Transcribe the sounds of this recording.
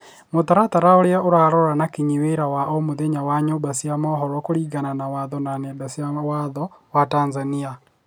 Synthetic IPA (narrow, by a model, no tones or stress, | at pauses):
motaɾat̪aɾaoɾjaoɾaɾɔɾanakiɲiweɾawaʔomoðeɲawaɲobasiamɔɦɔɾɔkoɾiːɡananawaðɔnanɛdasjawaðɔwatanzania